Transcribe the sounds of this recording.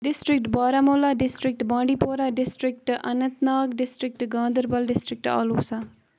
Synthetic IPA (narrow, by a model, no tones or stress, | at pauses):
ɖisʈɾik̚ʈbaːɾamoːlaɖisʈɾik̚ʈbãːɖipoːɾaɖɪsʈɾik̚ʈɐ̰nɐt̪naːɡɖɪsʈɾik̚ʈɡãːnd̪əɾbɐlɖɪsʈɾik̚ʈa̰ːloːsa